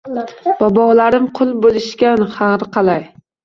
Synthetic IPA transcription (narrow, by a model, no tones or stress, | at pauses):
b̥ɒbɒwlaɾɪmqʰʊlˠbolˠɪʃkʲanhɑɾqʰɑlaj